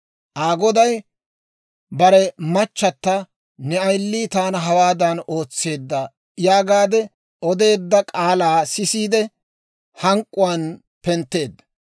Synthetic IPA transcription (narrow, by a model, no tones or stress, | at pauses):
ʔaːɡɔd̪ɐj | bɐɾɛmɐt͡ʃːɐt̪ːɐ | nɛɐjlːiːt̪aːnɐɦɐwaːd̪ɐno̞ːt͡sːe̞ːd̪ːɐ | jaːɡaːd̪ɛ | ɔd̪e̞ːd̪ːɐkʼaːlaːsɪsiːd̪ɛ | hɐŋkʼːʊwaːn | pɛnt̪ːe̞ːd̪ːɐ